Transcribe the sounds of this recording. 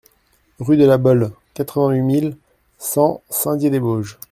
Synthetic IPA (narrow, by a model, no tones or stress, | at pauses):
ʁyd̪əlabɔl | kat̪χəvɛ̃ɥimil | sɑ̃sɛ̃d̪ʲjed̪eboʒ